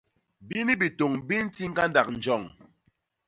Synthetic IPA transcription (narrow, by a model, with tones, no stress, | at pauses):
bi˦ni˦bi˨to˨ŋbi˦n˦ti˦ŋ̩˦ɡa˦nda˨k̚n̩˨d͡ʒɔ˦˨ŋ